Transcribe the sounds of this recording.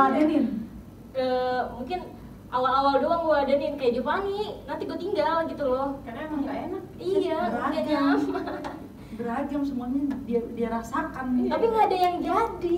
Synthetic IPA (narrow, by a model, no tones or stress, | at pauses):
adadɪn | əmuŋkɪn | ʔawalawaldoaŋɡuaadadɪnkajaʔd͡ʒupaninant̪iɡuat̪iŋɡalɡit̪ulɔkaɾaaŋaŋɡaenak̚iaəaɡad͡ʒaa | bəɾad͡ʒamsəmuaɲadiadiaɾasakant̪apiŋɡaːdajaŋd͡ʒadi